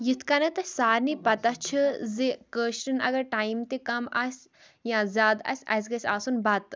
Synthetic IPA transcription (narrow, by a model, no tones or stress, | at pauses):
jit̪ʰkɐnɐt̪ɐsaːɾnipɐt̪ɐt͡ʃʰɨzekəːʃʈɨnɐ̰ɡɐɾʈaːjmt̪ekɐmɐsʲ | jãːzʲaːd̪ɐ̰sʲɐ̰s̬ʲɡɐsʲaːsunbɐt̪